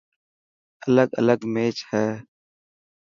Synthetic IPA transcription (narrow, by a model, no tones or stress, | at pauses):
ələɡə̰ləɡmeːt͡ʃhɛː